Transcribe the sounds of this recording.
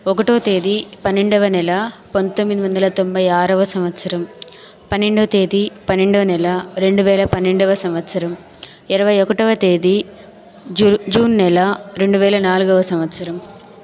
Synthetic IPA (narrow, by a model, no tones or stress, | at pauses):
okːɐʈːɐʋɐt̪eːðipɐnːeɳɖɐʋɐnɛlɐpɐnt̪ːombiðimɐnd̪ɐlɐt̪ombɐjaːɾɐʋɐsɐmʋɐt̪ːsɐɾɐm | pɐnːeɳɖɐʋt̪eːðipɐnːeɳɖɐʋɐnɛlɐɾeɳɖɯʋeːlɐpɐnːeɳɖɐʋɐsɐmʋɐt̪sɐɾɐm | ɪɾɐʋɐjokːɐʈːɐʋɐt̪eːði | d͡ʒuːnnɛlɐɾeɳɖɯʋeːlɐnaːlkɐʋɐsɐmʋɐt̪ːsɐɾɐm